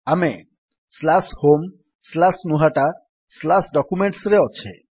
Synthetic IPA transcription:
ame | slashom | slasnuɦaʈa | slasɖɔkumeɳʈsɾeɔt͡ʃʰḛ

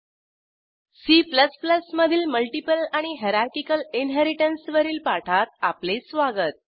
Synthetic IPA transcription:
sipləspləsməd̪ʱiːlməlʈipəlaɽ̃iɦeɾaɾkikəlinɦeɾiʈənsʋəɾiːlpaʈʰat̪aplesʋaɡət̪̚

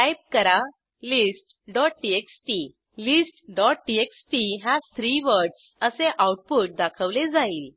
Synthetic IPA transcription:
ʈajp̚kəɾa | lisʈɖɔʈ̚ʈieksʈi | lisʈɖɔʈ̚ʈieksʈiɦad͡zt̪ʰɾiʋəɾɖs | əseʔauʈ̚puʈ̚d̪akʰəʋled͡zaiːl

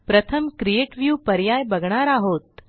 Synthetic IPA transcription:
pɾət̪ʰəmkɾieʈʋjuːpəɾjajbəɡɳ̃aɾaɦoːt̪̚

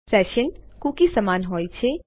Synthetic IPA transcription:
sɛːʃənkuːkisɐmaːnɦoːit͡ʃʰe

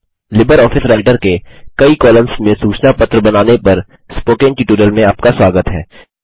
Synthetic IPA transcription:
lɪbəɾɔːfɪsɾaːɪʈəɾkekɐikɔːlə̃msmẽsuːt͡ʃnapɐt̪ɾəbɐnaːnepɐɾ | spoːkɪ̃ŋɡʈiʈuːɾəlmẽɐp̚kaswaːɡət̪ɦɛ̰ː

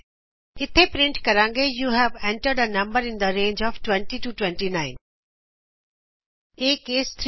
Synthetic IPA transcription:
ɪt̪ʰepɾɪ̃ɳʈkɐɾãːŋɡejuːɦɛʋɛ̃ɳʈəɾɖənɐ̃mbəɾɪ̃nd̪əɾẽːnd͡ʒɔːʋʈwɛ̃ɳʈiʈuʈwɛ̃ɳʈinãɪ̃n | eːkeːst̪ʰɾ

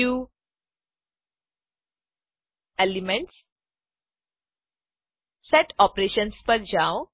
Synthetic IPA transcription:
uː | elimẽɳʈs | seʈɔpɾeʃənspəɾd͡ʑaw

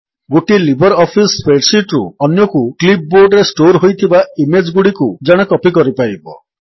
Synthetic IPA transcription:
ɡoʈilibʱɔɾɔpʰispeɖsiʈɾṵɔnjɔkuklip̚boɾɖɾesʈoɾɦojt̪ʰibaimed͡ʒɡuɽikud͡ʒaɽ̃ɔkɔpikɔɾipajbɔ̰

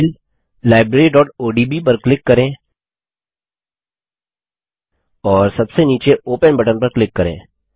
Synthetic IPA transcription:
l | laːɪbɾeːɾiɖɔːʈoːɖibip̬ɐɾklɪkːɐɾẽː | ɔːɾsɐbseniːt͡ʃeoːpənbɐʈənpɐɾklɪkːɐɾḛ̃ː

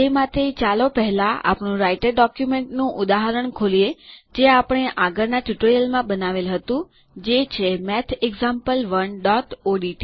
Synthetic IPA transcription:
emãt̪ʰet͡ʃalopəɦɛlãʔa̰pɳũɾaiʈeɾɖɔkjumeɳʈnũʔʊd̪aɦəɾəɳkʰolijed͡ʒeapɽ̃eʔaɡəɾnaʈjuʈɾijəlmãɓənaʋelɦət̪ũ | d͡ʒet͡ʃʰemɛt̪ʰeɡzampəlʋəɳɖɔʈoɖiʈi

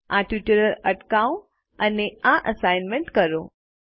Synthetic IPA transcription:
ãʈʋiʈəɾəɾəʈkaõ | əneãʔəsajnmẽɳʈkəɾõ

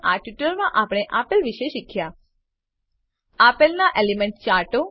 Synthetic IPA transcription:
ʔaʈjuʈəɾmãʔapɽ̃eʔapəlʋiʃeʃikʰja | apəlnaʔelemɛɳʈt͡ʃaɾʈo

